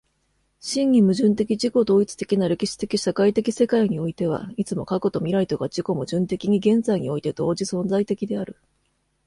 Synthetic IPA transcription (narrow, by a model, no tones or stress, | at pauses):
ɕĩŋːʲimɯ̟ʑɨ̃nt̪e̞kʲid͡ʑiko̞d̪o̞ːit͡sɨ̥t̪e̞kʲinaɾe̞kʲiɕi̥t̪e̞kʲiɕakait̪e̞kʲise̞kaiɲ̟io̞it̪e̞β̞a̰it͡sɨmo̞̰kako̞t̪o̞mʲiɾait̪o̞ɡad͡ʑiko̞mɯ̟ʑɨ̃nt̪e̞kʲiɲ̟iɡẽ̞nd͡zaiɲ̟io̞it̪e̞d̪̥o̞ːd͡ʑisõ̞nd͡zait̪e̞kʲid̪e̞aɾɯ̟